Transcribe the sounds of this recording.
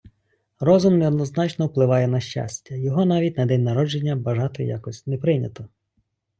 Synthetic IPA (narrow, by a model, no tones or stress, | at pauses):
rɔzʊmneɔd̪nɔznɑt͡ʃnɔwplˠɪʋɑjɛnɐʃt͡ʃa̰sʲtʲːɐjɔɦɔnɑʋʲitʲnɐd̪ɛnʲnɐɾɔd͡ʒe̞nʲːɐbɐʒɑt̪ɪ̰ja̰kɔsʲtʲnepɾɪnʲɐt̪ɔ